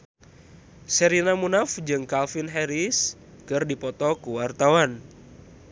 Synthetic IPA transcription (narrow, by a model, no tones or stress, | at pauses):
sɛɾinamunafd͡ʒɨŋkalfinɦɛɾis | kɨrdipɔt̪ɔkuwart̪awan